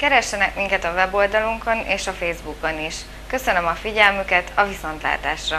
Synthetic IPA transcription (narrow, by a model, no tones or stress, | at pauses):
kɛɾɛʃːɛnɛkmiŋkɛt̪ɒvɛbo̞ːld̪ɒluŋko̞nʔḛːʃɒfeːzbuko̞niʃ | kø̞sø̞nømɒfiɟɛlmykɛt̪ʰɒviso̞nt̪la̰ːt̪a̰ːʃrɒ